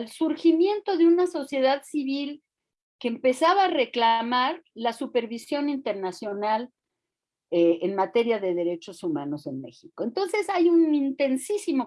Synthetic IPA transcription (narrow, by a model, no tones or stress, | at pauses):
lsuɾximje̞nt̪o̞ðeunaso̞sje̞ðaðsiβ̞il | ke̞ːmpe̞saβaːre̞klamaɾlasupe̞ɾβisjo̞nint̪e̞ɾnasjonal | eenmat̪e̞ɾjaðe̞ðe̞ɾe̞t͡ʃo̞sumã̰no̞se̞nme̞̰xiko̞ent̪o̞nse̞sajunint̪e̞nsisimo̞